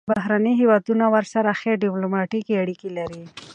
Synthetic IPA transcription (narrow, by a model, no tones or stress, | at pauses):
baɦɾaniɦewɑd̪unawəɾsaɾaxeɾɖɪplomɑʈikeaɽikilaɾi